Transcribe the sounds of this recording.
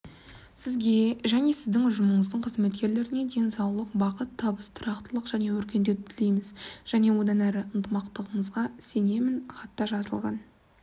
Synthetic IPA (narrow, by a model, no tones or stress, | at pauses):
sɪzɡʲe̞ʒæne̞sɪzd̪ɪŋʊʒəməɴəzd̪əɴqʰəzme̞t̪̚kʲe̞ɾle̞ɾɪne̞d̪e̞nsɑwlˠəqbɑqət̪ʰːɑbəst̪ʰʊɾɑqt̪əlˠəqʒ̥æne̞wɵɾkʲe̞nd̪et̪ʰʏt̪ʰɪle̞jmɪzʒ̥æne̞wo̞d̪ɑnæɾɪʔənt̪əmɑqt̪əʁəɴəzʁɑse̞ne̞mɪnχɑt̪ːɑʒɑzəlˠʁɑ̰n